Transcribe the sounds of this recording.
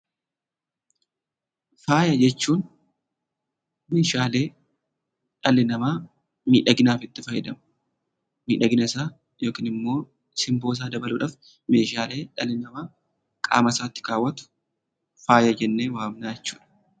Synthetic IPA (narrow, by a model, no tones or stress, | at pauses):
faːjɐd͡ʒɛt͡ʃːuːn | meːʃaːle̞ː | ᶑɐlːɪnɐmaː | miːᶑɐɡɪnaːfɪt̪ːɪfɐjɛd̪ɐm | miːᶑɐɡɪnɐɪsaː | jo̞ːkiːnɪmːo̞ː | sɪmbo̞ːs̬aːd̪ɐbɐluːᶑaːf | meːʃaːle̞ːᶑɐlɪnɐmaː | kʼa̰ːmɐsaːt̪ːɪ̥kaːwːɐt̪ʊ̥ | faːjɐd͡ʒɛnːeːwaːmnaːjɛt͡ʃːu̥ːᶑɐ̥